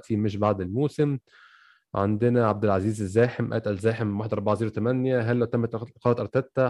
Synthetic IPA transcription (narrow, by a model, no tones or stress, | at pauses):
t̪ʰimeʃ̬baʕd̪elmoːsem | ʕand̪ɪnæʕab̚d̪elʕaziːzezːæːħemʔæ̰t̪ʔælzæːħemwaħed̪ʔɑˤɾˤbɑʕziːɾwt̪æmænjæɦælːæwt̪æmːæt̪qɑːɑt̪ʔɑɾˤt̪æt̪ːæ